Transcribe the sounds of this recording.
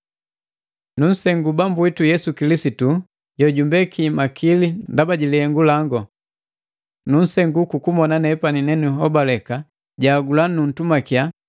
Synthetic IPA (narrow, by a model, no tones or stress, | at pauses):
nun̩sɛŋɡubambuitujɛsukilisitu | jɔɟumbɛkʰimakʰilindabaɟilihɛŋɡulaŋɡɔ | nun̩sɛŋɡukukumɔnanɛpaninɛnuɦɔbalɛka | ɟaːɡulanun̩tumakija